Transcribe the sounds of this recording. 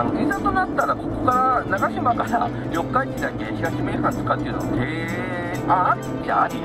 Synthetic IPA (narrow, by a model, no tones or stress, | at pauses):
noisãnt̪o̞nat̪ːaɾabo̞kɯ̟kaɾanaɡaɕimakaɾa̰ | jo̞kːait͡ɕid̪akeçiɡaɕimeːsãnt̪ɨ̥kat̪ejɯ̟not̪e | aɾʲi | d͡ʑa̰aɾʲi